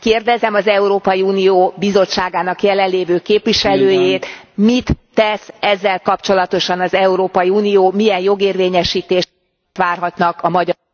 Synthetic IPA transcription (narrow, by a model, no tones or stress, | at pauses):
keːrd̪ɛzɛmɒzɛuɾoːpɒjiuːnijoːbizo̞t͡ʃːaːɡaːnɒkjɛlɛnlːeːvøːkeːpʋiʃɛløːjeːt̪mit̪ːɛsɛzːɛlkɒpt͡ʃo̞lɒt̪o̞ʃɒnɒzɛuɾoːpɒjiuːnijoːmijɛnjo̞ɡeːrveːɲɛʃiːt̪eːʃ | t̪ʋaːrɦɒt̪nɒkɒmɒɟ